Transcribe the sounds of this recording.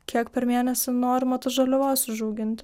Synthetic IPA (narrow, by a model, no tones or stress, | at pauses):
kʲiɛkpʲɛɾmʲeːnʲɛsʲɪnoːɾʲmɐt̪ɐʒɐlʲʊʋɐːsʲʊʒuːɡʲɪnʲt̪ʲ